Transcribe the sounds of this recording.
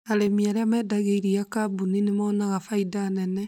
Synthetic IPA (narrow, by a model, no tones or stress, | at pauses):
aɾemiaɾeamɛdaɣeiɾijakabuninemaːnaɣafaidanɛnɛ